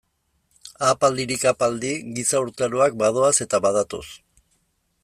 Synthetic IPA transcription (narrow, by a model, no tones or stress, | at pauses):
apald̪iɾikapald̪iɡisauɾt̪aɾoak̚baðo̞ase̞t̪aβað̞at̪o̞̰s